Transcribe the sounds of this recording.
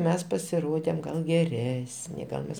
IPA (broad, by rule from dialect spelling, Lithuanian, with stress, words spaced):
ˈmʲɛs pɐsʲɪˈroːdʲeːm ˈɡɐlˠ ɡʲɛˈrʲæːsʲnʲɪ ˈɡɐlˠ mʲɛs